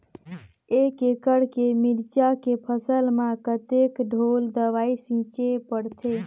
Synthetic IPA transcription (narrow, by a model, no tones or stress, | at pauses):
ekekəɽkemiɾt͡ʃakepʰəsəlmakət̪ekɖʱold̪əʋaisĩt͡ʃepəɽt̪ʰe